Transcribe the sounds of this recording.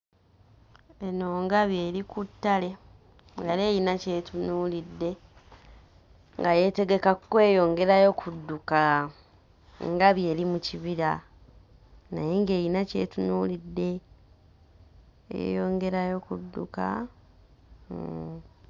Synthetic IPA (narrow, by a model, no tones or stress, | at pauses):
e̞noːŋɡaβje̞ːɾikutːale̞ | ŋɡale̞ːjinace̞tunuːlidːe̞ | ŋɡaje̞te̞ɡe̞kakukwe̞ːjo̞ːŋɡe̞ɾajo̞kʰudːuka | ŋɡaβje̞ːlimuciβiɾa | najeŋɡeːjinace̞̰ːtunuːlidːe̞ | ḛjo̞ːŋɡe̞ɾajo̞kudːuka̰